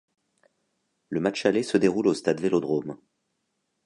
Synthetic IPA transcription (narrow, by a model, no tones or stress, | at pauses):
ləmat͡ʃalesəd̪eʁulost̪ad̪velod̪ʁom